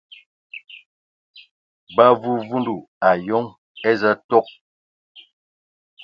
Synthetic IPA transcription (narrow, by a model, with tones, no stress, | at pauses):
ba˦vu˦vu˦ndu˨ | a˨jo˦ŋ | e˦zə˦to˦k̚